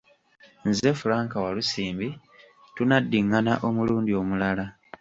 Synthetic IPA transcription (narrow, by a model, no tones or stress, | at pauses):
nzefulaːŋkawalusiːmbi | tunadːiŋːanaʔo̞muluːndio̞mulala